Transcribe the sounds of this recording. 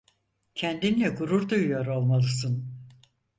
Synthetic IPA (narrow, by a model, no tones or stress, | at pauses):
cʰænd̪imlʲɛkʰuɾuɾd̪ujjoɾo̞lˠmalˠɯsɯn